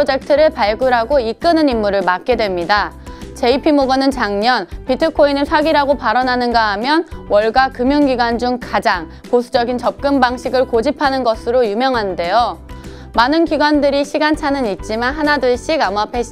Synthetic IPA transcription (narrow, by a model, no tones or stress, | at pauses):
od͡ʑe̞k̚tʰɯɾɯɭpaɭɡuɾɦaɡoik͈ɯnɯnimːuɾɯɭmat̚k͈e̞dwe̞mɲidat͡ɕe̞ipʰimoɡʌnɯnt͡ɕaŋɲʌnpitʰɯkʰoinɯsʰwaɡiɾaɡopaɾʌnanɯnɡaɦamjʌnwʌɭɡwakɯmjunɡiɡwand͡ʑuŋkad͡ʑaŋ | posʰud͡ʑʌɡint͡ɕʌp̚k͈ɯmbaŋɕʰiɡɯɭkod͡ʑipʰanɯnɡʌsʰɯɾojumjʌŋɦande̞jo | manɯnkiɡwandɯɾiɕʰiɡant͡ɕʰanɯnit̚t͡ɕ͈imanɦanadɯɭɕ͈iɡamapʰe